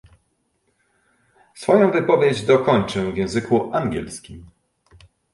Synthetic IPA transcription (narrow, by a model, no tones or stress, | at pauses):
sfɔjɔ̃w̃vɘpɔvʲjed͡ʑd̪ɔkɔɲt͡ʂɘvʲjɛ̃w̃zɘkuʔaŋɡʲɛ̰lskʲḭm